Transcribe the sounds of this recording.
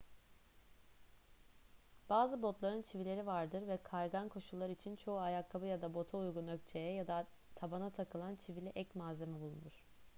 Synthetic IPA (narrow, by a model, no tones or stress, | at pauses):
b̥aːzɯbo̞t̪lˠaɾɯnt͡ʃʰivilʲe̞ɾivaɾd̪ɯɾvɛkʰaɾɡankʰo̞ʃulˠːaɾit͡ʃʰint͡ʃʰo̞uajakʰːabɯjad̪abo̞t̪ʰaujɡunø̞ct͡ʃʰe̞jɛjad̪a | t̪ʰabanat̪ʰakʰɯlˠant͡ʃʰivilʲiʔɛcmaːze̞mibulˠṵnuɾ̝̥